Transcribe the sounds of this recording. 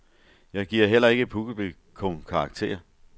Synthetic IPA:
jɑ̈ɪɡ̥iɐ̰ɦel̰ɐe̝ɡ̥əpʰuɡ̥əb̥y | kʰɔŋkʰɑ̈ɑɡ̥̚t͡sʰe̝̰ːɐ

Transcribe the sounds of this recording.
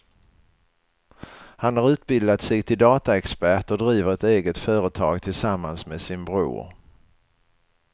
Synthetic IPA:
hanhaɾʉ̟ːt̪bɪld̪at̪sɛɡt̪ʰɪld̪ɑːt̪aɛkspæʈɔd̪ɾiːvəɾɛt̪eːɡət̪fœːɾət̪ʰɑːɡt̪ʰɪlsamːansmesɪnbɾṵːɾ

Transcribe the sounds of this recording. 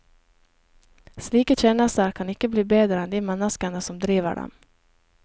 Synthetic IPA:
sliːkəɕɛːnast̪əɾkʰɑnɪkːəbliːbeːd̪ɾəɛnd̪ɪmɛnːaskaɳasɔmd̪ɾiːvə̰ɖɔ̰m

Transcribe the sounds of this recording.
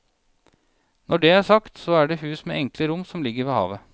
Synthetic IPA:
nɔɖeːæːsɑkt̪sɔːæːɖeːhʉːsmḛːʔɛŋkləɾʊmːsɔmlɪɡəɾʋeːhɑ̰ːʋə

